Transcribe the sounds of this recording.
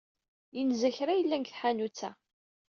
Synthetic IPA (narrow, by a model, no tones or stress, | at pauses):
jənzæçɾæjəlːænkθħanut͡sːæ̰